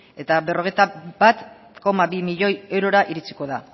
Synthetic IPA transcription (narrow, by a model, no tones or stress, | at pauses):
e̞t̪abe̞ro̞ɣ̞e̞jt̪abat̪ | ko̞maβimiʎo̞je̞wɾo̞ɾaʔiɾit͡si̥ko̞ða